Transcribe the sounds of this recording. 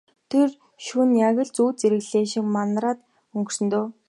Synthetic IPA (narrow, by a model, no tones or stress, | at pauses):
t̪ʰer | ʃunjaɣʲə̆ɮt͡suːt͡seɾɘ̆ɣɮeːʃɪ̆kmanraːt̪ | ɵŋksɘ̆nt̪oː